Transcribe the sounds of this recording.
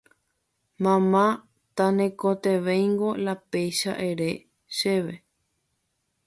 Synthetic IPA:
mãmã | t̪anẽkot̪eʋejŋɡo̞lapejʃa̰ʔeɾe | ʃeʋe

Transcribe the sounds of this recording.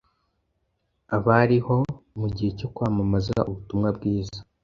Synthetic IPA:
aβaɾiho̞muɟihe̞co̞kwaːmamazaa̰ʔuβutumŋab̚ɡiːzḁ

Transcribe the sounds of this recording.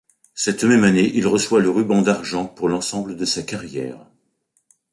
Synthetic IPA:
sɛt̪mɛmaneʔilʁəswaləʁybɑ̃d̪aʁʒɑ̃puʁlɑ̃sɑ̃bləd̪əsakaʁjɛ̰ːʁ

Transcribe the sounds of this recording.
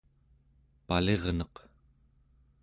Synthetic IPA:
pale̞ʁnʌq

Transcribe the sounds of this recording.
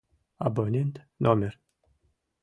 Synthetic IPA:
a̰bonʲent̪ | nomʲer

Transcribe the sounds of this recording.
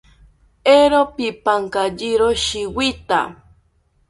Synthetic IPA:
eɾopipaŋkaʎiɾoʃiwit̪a̰

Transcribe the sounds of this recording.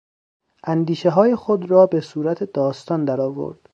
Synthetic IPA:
ʔænd̪iːʃeɦɒːjexod̪rɒːbe̞suːɾæt̪ʰed̪ɒːst̪ɒːnd̪æɾɒːvo̰ɾd̪̥

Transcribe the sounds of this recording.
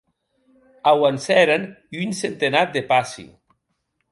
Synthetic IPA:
awansɛɾaniynsent̪enat̪̚d̪epasḭ

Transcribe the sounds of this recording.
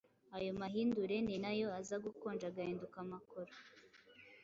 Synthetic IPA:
ajo̞maɦiːnduɾe̞ninajo̞azaɡukoːnd͡ʒaɡahiːndukamakoɾo̥

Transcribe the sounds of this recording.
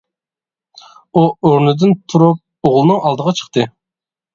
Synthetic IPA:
uoɾnɨd̪ɨnt̪ʰuɾup̚ | oʁlˠɨnɨŋɑlˠd̪əʁɑt͡ʃʰə̥χt̪ʰɨ

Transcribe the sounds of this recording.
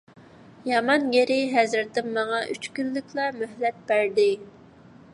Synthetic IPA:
jɑmɑnjeɾɪɦɛzɾt̪ɪmːɑŋɑʔyt͡ʃkʲylːɪkʲʰlˠɑmøhlɛt̪̚b̥æɾd̪ɪ

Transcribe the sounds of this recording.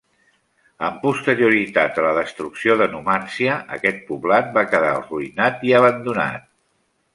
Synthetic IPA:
əmpust̪əɾiuɾit̪at̪̚ələðəst̪ɾuksioðənumansiəʔə̰kɛt̪̚puβlat̪̚bakəðaruinat̪iəβ̞ənd̪una̰t̪̚

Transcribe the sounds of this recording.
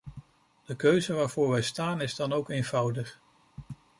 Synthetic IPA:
d̥əkøɥzəʋaːɹvʊːɹʋɛjstaːnɪzdɑnowkejnvʌwdəχ

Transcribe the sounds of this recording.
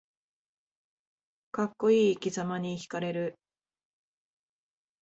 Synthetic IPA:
kakːo̞iːkʲizamaɲ̟içi̥kaɾe̞ɾɯ̟

